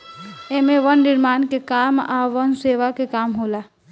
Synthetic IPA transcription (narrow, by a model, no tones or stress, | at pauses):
emeʋənːɪɾmaːnkekamaʋənseʋakekamɦola